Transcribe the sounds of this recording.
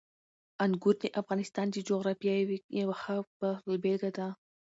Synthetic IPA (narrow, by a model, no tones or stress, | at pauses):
anɡuɾniʔafɣɑnɪst̪ɑnd̪id͡ʒoɣɾɑfijɑjwijawaxapalbelɡad̪a